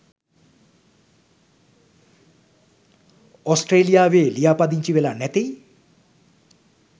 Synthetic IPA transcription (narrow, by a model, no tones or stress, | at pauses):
osʈreːlijaːʋeːlijaːpɐd̪iɲt͡ɕiʋelanet̪ej